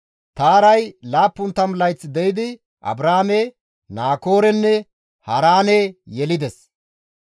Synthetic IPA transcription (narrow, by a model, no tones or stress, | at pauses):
t̪aːɾɐjlaːpːʊnt̪ːɐmlɐjt͡sːɪd̪ɛjɪd̪ɪ | ʔɐ̰bɾaːme | naːko̞ːɾɛnːɛ | hɐɾaːnejɛlɪd̪ɛs